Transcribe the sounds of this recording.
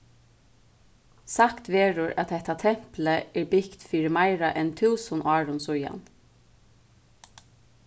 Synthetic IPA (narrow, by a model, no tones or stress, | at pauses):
sɑkt̪ʋeːɹʊɹʔɑt̪̚dɛt̪ɑt̪ʰɛmpləeːbɪkt̪fiːɾəmæɪɹɑʔɛnt̪ʰʉːsənʔɑːɹʊnsʊjɑ̰n